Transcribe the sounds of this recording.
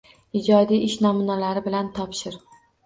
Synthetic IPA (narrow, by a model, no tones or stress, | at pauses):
ɪd͡ʒɒd̪ijɪʃnɒmʊnalaɾɪbɪlant̪ʰɒpʃɪɾ